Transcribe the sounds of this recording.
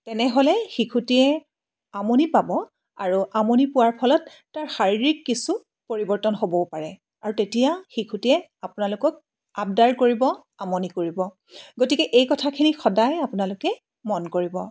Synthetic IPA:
tɛnɛɦolɛxikʰutiɛ | amonipabɔ | a̰ɹuamonipʊwaɹpʰɔlɔtːaɹxaɹiɹikːisu | poɹibɔɹtɔnɦobɔpaɹɛ | aɹutetijaxikʰutiɛ | apʊnalʊkɔk̚ | ap̚daɹkoɹibɔ | amonikoɹibɔ | ɡotikɛʔejkɔtʰakʰinixɔdajapʊnalʊkɛ | mɔnkoɹibɔ

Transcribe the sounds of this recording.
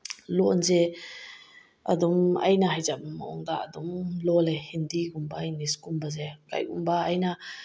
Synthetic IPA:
lɔʔnzɛ | ʔa̰d̪umʔɐ̰jnaɦajzap̚maʔɔŋd̪aʔad̪umlɔlɛhind̪iɡumbainiskumbazeka̰jkṵmbaajna

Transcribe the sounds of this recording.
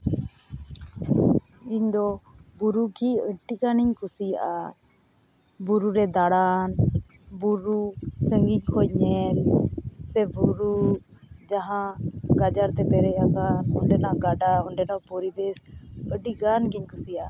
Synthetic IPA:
iɲd̪ɔbuɾukiəɖiɡaniɲkusijaʔa | buɾuɾɛd̪aɽan | buɾusəŋɡiɲkʰɔɲɛlsɛbuɾu | d͡ʒaɦãɡad͡ʒaɾt̪ɛpɛɾɛakanɔɳɖɛnaɡaɖaɔɳɖɛnapɔɾibesəɖiɡanɡiɲkʰusijaʔa

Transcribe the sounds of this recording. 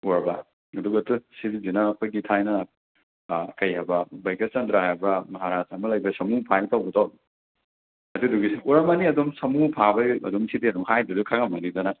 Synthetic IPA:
uɾba | ɐduɡɐtusididinɐːkʰojɡitʰajnɐ | kɐjabɐbɐjket̚t͡ʃɐndɾaɦajbɐmɐɦaɾasamɐlɐjbɐsɐmupʰajitawbɐtaw | ɐduduɡisiuɾɐmɐniɐdumsɐmupʰabɐɐ̰dɔmsidiɐdɔmhajdɐdukʰaŋamɐnidɐnɐ

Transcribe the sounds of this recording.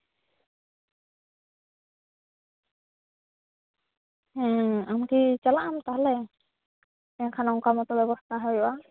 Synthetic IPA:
ɛ̃amkit͡ʃalaʔamt̪aɦalɛ | t̪ɛɲakʰanɔŋkamɔt̪ɔbɛbɔst̪ʰaɦɔjɔʔa

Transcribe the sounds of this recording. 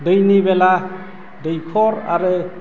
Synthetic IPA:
dɯjnibela | dəjkʰɔɾa̰ɾɯ

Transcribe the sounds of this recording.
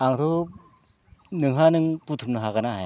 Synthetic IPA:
aŋt̪ʰo | nɯŋɦanɯŋput̪ʰumnɯɦaɣanaɦa

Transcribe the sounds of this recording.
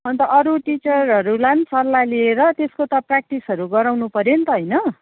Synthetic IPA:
ʌnt̪ʌʔʌɾuʈit͡sʌɾɦʌɾulansʌrlalieɾʌt̪eskot̪ʌprak̚ʈisɦʌɾuɡʌɾawnupʌɾent̪ʌɦʌjnʌ

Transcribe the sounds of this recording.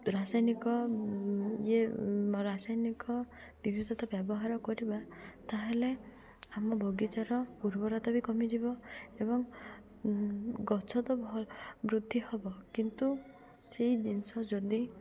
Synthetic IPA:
ɾasajnikɔ | jeɾasajnikɔ | bibʱid̪ʱɔt̪ɔbjɔbɔɦaɾɔkɔɾibat̪aɦele | amɔbʱoɡit͡ʃaɾɔpuɾbɔɾat̪abikɔmid͡ʒibɔebɔŋ | ɡɔt͡ʃʰɔd̪ɔbʱɔbɾud̪ʱːihɔbɔkint̪u | seid͡ʒinsɔd͡ʒɔd̪i

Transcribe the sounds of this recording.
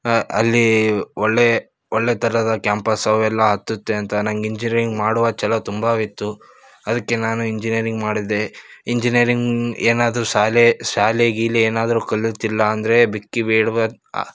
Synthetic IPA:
ɐlːiɔɭːe | ɔɭːet̪ʰɐɾɐd̪ɐkjaːmpɐsɐʋɛlːɐɦɐt̪ːut̪ːe̞ɐnt̪ɐnɐŋɡiɲd͡ʒiniɐɾiŋɡmaːɽuʋɐt͡ʃɛlɐt̪umbɐʋit̪ːu | ɐd̪ɐkːe̞naːnuiɲd͡ʒinijɐɾiŋɡmaːɽid̪e̞iɲd͡ʒinijɐɾiŋɡeːnaːd̪ɐɾuʃaːleʃaːleɡilieːnaːd̪ɐɾukɐlːit̪ilːɐːnd̪ɐɾe̞bikːibeːɽuʋɐ̰

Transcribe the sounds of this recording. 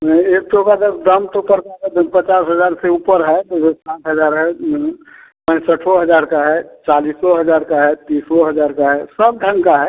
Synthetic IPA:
eːk̚t̪okad͡ʒəbd̪əmt̪opəɾkad̪pət͡ʃaːsɦəzaːɾseupəɾɦɛd͡ʒ̪oesãːʈʰɦəzaːɾɦɛ | pə̃nsəʈʰɔɦəd͡ʒaːɾkaɦɛt͡ʃaːliːsɔɦəd͡ʒaːɾkaɦɛt̪iːsɔɦəd͡ʒaːɾkaɦɛsəb̚ɖʱə̃ŋkaɦɛ

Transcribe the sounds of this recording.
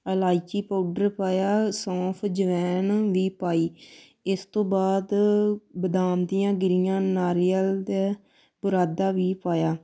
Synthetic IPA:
əlaːit͡ʃiːpaːʊɖəɾpaːjaːsɔ̃ːpʰd͡ʒəʋɛːnʋiːpaːiː | ɪst̪õːbaːd̪bəd̪aːmd̪ɪjãːɡɪɾɪjãːnaːɾijəld̪eː | bʊɾaːd̪aːʋiːpaːjaː

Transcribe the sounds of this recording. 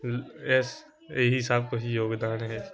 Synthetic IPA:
ɛs | eɦɪsaːb̚koɦijoːɡd̪aːnɦɛ

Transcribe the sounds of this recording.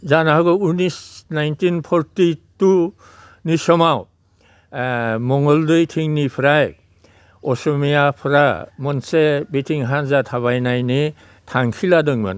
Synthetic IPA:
zanaɦaɡɔunisnajntinpʰɔɾtitu | nisɔmaw | mɔŋɔldɯjtʰiŋnipʰɾaj | ɔsɔmijapʰɾamɔnsebetʰiŋɦanzatʰaβajnajne | tʰaŋkʰiladɯŋma̰n

